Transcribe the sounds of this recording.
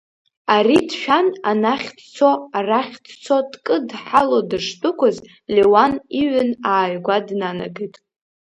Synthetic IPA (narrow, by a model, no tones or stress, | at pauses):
aɾidʃᶣananaχʲtt͡sʰoaraχʲtʰt͡sʰo̞dkʼɨdħalodɨʂtʼʊkʷʰʊz | lewaniʕʷʊnaːjɡʷadnana̰ɡɨjtʼ